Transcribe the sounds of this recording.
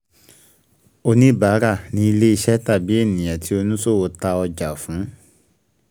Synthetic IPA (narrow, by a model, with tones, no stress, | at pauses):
o˧nĩ˦˨ba˨˦ɾa˦˨nĩ˧˦i˧le˦i˧ʃɛ˦ta˦˨bi˦e˦˨nĩ˨j̃ã˨ti˦o˧nũ˦so˦˨wo˧˦ta˧ɔ˧d͡ʒa˨fũ˨˦